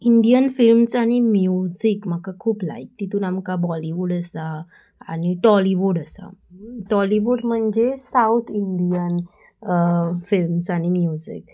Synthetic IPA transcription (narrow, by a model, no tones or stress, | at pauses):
iɳɖijənfilmsaɽ̃imjud͡zikm̤akakʰuːpla̰ik̚t̪it̪unamkabɔliʋuɽəsa | aɽ̃iʈɔliʋuɽəsa̰ʈɔliʋuɽm̤əɳd͡ʑesawt̪ʰiɳɖijən | filmsaɽ̃imjud͡zḭk